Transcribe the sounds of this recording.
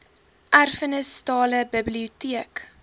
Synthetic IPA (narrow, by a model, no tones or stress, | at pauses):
ʔærfənəstɑːləbəbliutiək